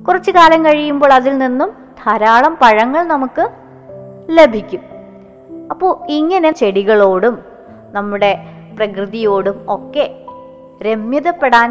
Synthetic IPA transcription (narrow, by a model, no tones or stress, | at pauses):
kurɐt͡ɕːɨkaːlɐmkɐɻijumbo̞ːɭɐðilninːum | d̪ʱɐɾaːɭɐmpɐɻɐŋːɐɭnɐmukːɨ | le̞bʱikʲːum | ɐpːoːɭiŋːɐne̞t͡ɕe̞ɽiɣɐɭo̞ːɽum | nɐmːuɽe̞ | prɐkrɨðijo̞ːɽumo̞kːe̞ | ɾe̞mjɐðɐpːe̞ɽaːn